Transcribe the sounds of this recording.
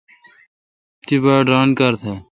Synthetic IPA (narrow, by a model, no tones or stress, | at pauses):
t̪ibaːɖɾaːnkəɾt̪ʰɛː